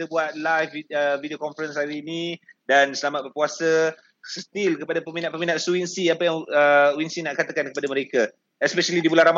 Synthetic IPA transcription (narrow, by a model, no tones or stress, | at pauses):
it̪əbuat̪̚lajfiəvidiokɔnfɾənsaɾiːnĩdansəlamat̪̚bərpuasa | sət̪ilkəpadapəminat̪̚pəminat̪̚suwinsiapajaŋəwinsinaʔkat̪akankəpadaməɾeka | ɛspɛʃalidibulaɾam